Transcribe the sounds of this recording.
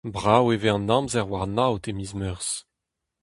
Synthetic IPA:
bʁaweveɑ̃nɑ̃mzɛʁwaʁnawt̪emizmœʁs

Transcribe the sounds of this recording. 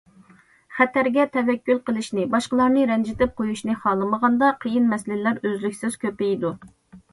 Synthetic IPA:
χæt̪ʰæɾɡʲɛt̪ʰɛvɛkʲːylˠqəlˠɪʃnɪbɑʃqəlˠɑɾnɨɾɛnd͡ʒɪt̪ɪp̚qojuʃnɨχɑːlˠəməʁɑnd̪ɑqʰəjinmɛslɪlæɾøzlykʲsɪz̥kʲʰøpɪjd̪u

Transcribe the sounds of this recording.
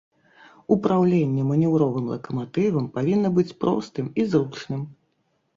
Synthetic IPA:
upɾawlʲenʲːɛmɐnʲɛwɾɔvɨmlˠɐ̰kɐmat̪ɨvɐmpavʲinːɐbɨt͡sʲpɾɔ̰st̪ɨmizɾut͡ʂnɨm

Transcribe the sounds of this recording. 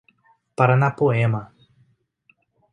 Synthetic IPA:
paɾanapoema

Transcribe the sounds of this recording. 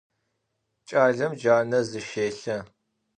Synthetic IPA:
t͡ʃʼaːɮɐmd͡ʒaːnɐzɨʃeːɬɐ

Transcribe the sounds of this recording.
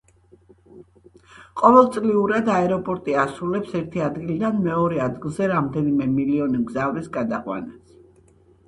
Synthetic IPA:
qʼɔvɛlˠt̪sʼliuɾad̪aɛɾɔpʼɔɾt̪ʼiasulɛpsɛɾt̪ʰiad̪ɡilid̪anmɛɔɾɛad̪ɡilˠzɛɾamd̪ɛnimɛmiliɔnimɡzavɾisɡad̪aqʼwa̰nas

